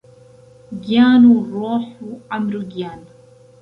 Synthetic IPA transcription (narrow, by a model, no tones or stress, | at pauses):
ɡijaːnuɾˤoːħuʔamɾuɡjaːn